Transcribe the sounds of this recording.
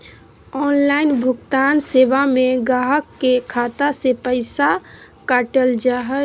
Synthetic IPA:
ɔːnlaɪnbʱʊɡt̪aːnseːbamẽɡaːɦəkːekʰaːt̪asepəɪsa | kaːʈəld͡ʒaɦə

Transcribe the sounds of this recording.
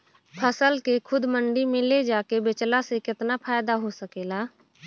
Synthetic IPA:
pʰəsəlkekʰʊd̪məɳɖimẽled͡ʒaːkebɪt͡ʃlasekɪt̪napʰaːjd̪aɦosəkeːlaː

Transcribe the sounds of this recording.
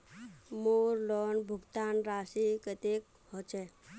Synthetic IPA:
moːɾlɔɳbʱuɡt̪anɾaːsikət̪ek̚ | ɦɔt͡ʃe

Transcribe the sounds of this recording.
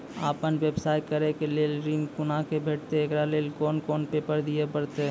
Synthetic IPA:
aːpənʋebsaːjkəɾekeleːlɾĩŋkʊnakebʱeːʈ̚t̪eːɡɾaleːlkɔːnkɔːnpeːpəɾd̪ijepəɽt̪e

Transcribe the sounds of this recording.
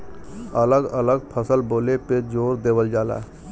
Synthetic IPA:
ələɡələɡpʰəsəlboːleped͡ʒoːɾd̪eːwəld͡ʒaːla̰ː

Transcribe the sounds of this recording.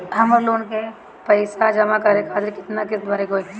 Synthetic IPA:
ɦɐməɾloːnke | pɐɪsad͡ʒɐmakɐɾẽkʰaːt̪ɪɾkɪt̪nakɪsbaɾekoek

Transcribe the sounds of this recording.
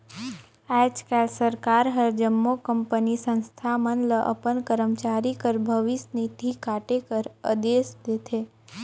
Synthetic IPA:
ɛt͡ʃkɛlsəɾkaɾɦəɾd͡ʒəmːokəmpənisə̃nst̪ʰamənləʔə̰pənkəɾəmt͡ʃaɾikəɾbʱəʋɪsnit̪ʰikaːʈekəɾəd̪esd̪et̪ʰe

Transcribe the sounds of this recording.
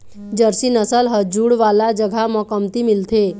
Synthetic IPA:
d͡ʒəɾsinəsəlɦəd͡ʒuɽʋalad͡ʒəɡʱamɔkəmt̪imilt̪ʰe

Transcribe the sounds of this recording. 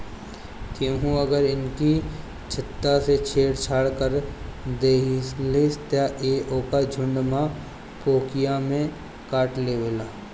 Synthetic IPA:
t̪eːɦũɐɡəɾɪnki | t͡ʃʰɪt̪ːaset͡ʃʰeːɽt͡ʃʰaːɽkəɾd̪eːsliːst̪jaʔeːʔoːkad͡ʒʱʊ̃ɳɖmã | poːkijamẽ | kaːʈleːwelaː

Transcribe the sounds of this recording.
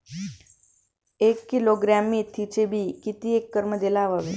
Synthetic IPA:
ekːiloɡɾamːit̪ʰːit͡ʃebʱikit̪iekːəɾməd̪elaʋəʋe

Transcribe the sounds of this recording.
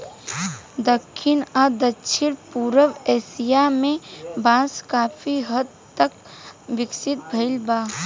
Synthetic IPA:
d̪əkʰːɪnaːd̪ətːʃʰɪɽpuːɾəʋɛːsijamẽbaːskaːfʰiɦəd̪̚ | t̪ək̚ | ʋɪksɪt̪̚bʱɐɪlbaː

